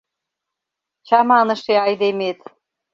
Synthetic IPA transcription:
t͡ɕɑmɑnə̆ʃeɑjd̪emet̪

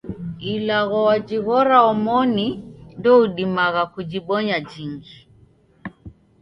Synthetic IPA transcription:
ilaɣɔwad͡ʒiɣɔɾaɔmɔnindɔuɗimaɣakud͡ʒiɓɔɲad͡ʒind͡ʒi

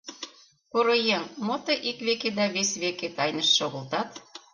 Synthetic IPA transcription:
koɾojemmot̪ɤʔikβeked̪ɑβesβeket̪ɑjnə̆ʃːoɣə̆lt̪ɑt̪

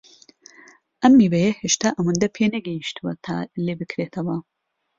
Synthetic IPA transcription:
ʔɐmːiːbɐjɐheːʃt̪aːʔɐwɐnd̪ɐpʰeːnɐɡɐjiʃt̪ɨwɐt̪ʰa̰ːleːbɨkɾeːt̪ʰɐwɐ

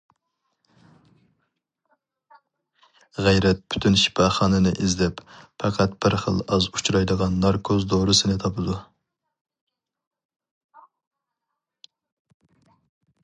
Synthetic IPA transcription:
ʁæjɾɛt̪̚pʰy̥t̪ʰynʃi̥pʰɑχɑːnɨnɨʔizlɛpfɑqʰæt̪b̥ɪɾχə̰lˠɑzu̥t͡ʃʰɾɑjd̪əʁɑnːɑɾkʰozd̪oɾɨsɪnɪt̪ʰɑpʰɨd̪u

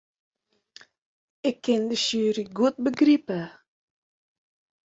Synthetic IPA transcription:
ɪkʰːɪndəʃyːɾiɡuət̚bəɡripə

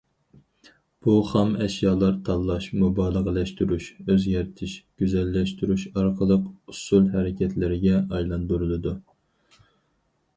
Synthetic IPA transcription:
b̥uχɑmɛʃjɑːlˠɑɾt̪ʰɑlˠːɑʃmubɑːlˠəʁəlɛʃt̪yɾyʃøzɡʲɛɾt̪ʰɪʃɡ̥ʲyzɛlːɛʃt̪yɾyʃɑɾqʰəlˠəqusulˠɦɛɾɪkʲʰɛt̪ʰlɪɾɪɡʲɛɑjlˠɑnd̪uɾɨlˠɨd̪u

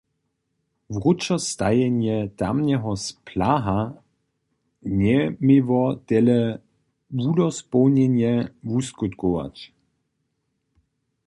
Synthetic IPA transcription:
vʁut͡ʃɔst̪ajɛnjɛt̪amnɛɦɔspʰlaɦa | ɲɛmivɔt̪ɛlɛ | vud̪ɔspɔwnɛnjɛvuskut̪kɔʋa̰t͡ɕ

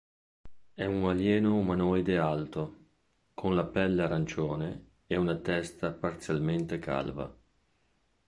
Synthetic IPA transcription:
ɛuŋaljɛːnomanɔjd̪ealt̪o | kʰonlapɛlːaɾant͡ʃoːne | ɛunat̪ɛst̪apart̪sjalment̪eka̰lva̰

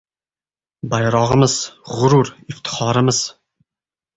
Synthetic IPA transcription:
bɑjɾɑʁəməzʁʊɾuɾift̪ʰə̥χɑɾəməz̥

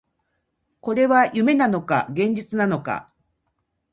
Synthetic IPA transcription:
ko̞ɾe̞βajɯ̟me̞nano̞ka̰ɡẽ̞ɲ̟d͡ʑit͡sɨnano̞ka̰

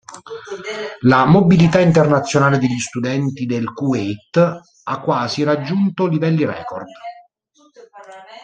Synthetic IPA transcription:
lamobilit̪aint̪ernat̪sːjonaːled̪eʎːist̪ud̪ɛnt̪id̪elkuet̪ː | akːwaːsirad͡ʒːunt̪olivɛlːirɛ̰ːkɔ̰rd̪

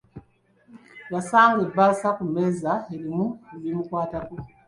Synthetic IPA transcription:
βasaːŋɡebaːsakumezaeɾimueβimukwaːtako

